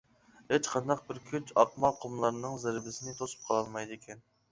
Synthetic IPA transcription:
het͡ʃqʰɑnd̪ɑq̚bɪɾkʲʰyt͡ʃɑqmɑqʰomlˠɑɾnɨŋzæɾbɪsɪnɪt̪ʰosu̥p̚qʰɑlˠɑlˠmɑjd̪ɪkʲʰɛn

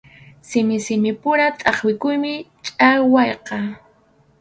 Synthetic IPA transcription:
sɪmɪsɪmɪpʊɾat̪ʼɑχwɪkʊjmɪt͡ʃʼawɑjqɑ

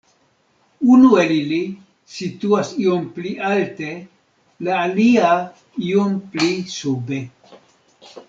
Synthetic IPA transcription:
unue̞lili | situasio̞mpliʔalte̞ | laːlia | iomplisube̞

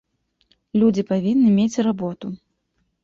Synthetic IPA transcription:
lʲud͡zʲipavʲinːɨmʲet͡sʲrabɔt̪u

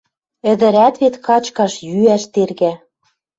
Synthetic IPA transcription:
ɘ̆d̪ɘ̆ɾæt̪βet̪kɑt͡ɕkɑʃjyæʃt̪erɣæ

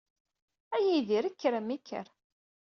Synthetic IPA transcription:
æjiðiɾikːɾəmikʰːə̰ɾ

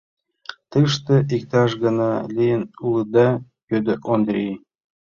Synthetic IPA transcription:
t̪ɤʃt̪ɤ̆ʔikt̪ɑʃɣɤ̆nɑlʲijɘnulˠɤd̪ɑ | jød̪ɘ̆ʔond̪ɾʲe

